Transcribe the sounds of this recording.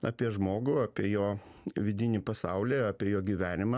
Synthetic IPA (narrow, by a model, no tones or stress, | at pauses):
ɑːpʲiɛʒmoːɡʊɑpʲiɛjoː | ʋʲɪd̪ʲɪnʲipɐsɑʊlʲeːɑːpʲiɛjoːɡʲiʋʲæːnʲɪmɐː